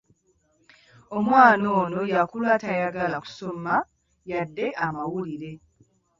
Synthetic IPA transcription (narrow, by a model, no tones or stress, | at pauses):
o̞mwaːno̞ːno̞jakulwatajaɡalaku̥so̞ma | jadːe̞ʔamawuliɾe̞